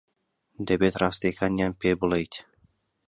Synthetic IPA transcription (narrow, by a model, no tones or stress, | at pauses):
d̪ebet̪raːst̪ejkʰanjanpebulˠejt̪ʲ